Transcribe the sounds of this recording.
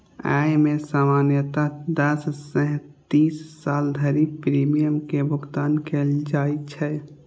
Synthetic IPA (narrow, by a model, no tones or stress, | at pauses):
a̰jmesamanjət̪ad̪əssə̃ɦt̪isːald̪ʱəɾipɾimijəmkebʱuɡt̪ankeld͡ʒajt͡ʃʰɛ